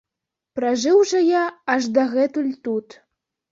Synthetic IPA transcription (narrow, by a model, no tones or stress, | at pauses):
pɾaʐɨwʐɐjaaʐd̪aɣɛt̪ulʲt̪ut̪